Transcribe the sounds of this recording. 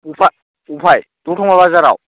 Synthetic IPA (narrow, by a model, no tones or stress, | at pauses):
upʰa | upʰajt̪uʈʰɔŋabazaɾa̰w